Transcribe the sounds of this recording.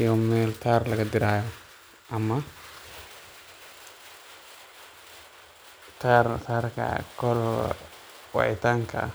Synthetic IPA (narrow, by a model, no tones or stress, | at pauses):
jɔmmɛːlt̪ʰaːrlɐɣɐd̪ɪɾaːjɔ | ʔɐmɐ | t̪ʰaːrt̪ʰaːrkʰɐ̰kʰɔl | wɑ̰ʕɪ̰t̪ʰaːŋkʰɐ̰ʔɐ̰